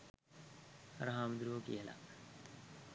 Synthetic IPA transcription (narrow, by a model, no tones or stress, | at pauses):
ɾɐɦaːmd̪ɾuokḭela̰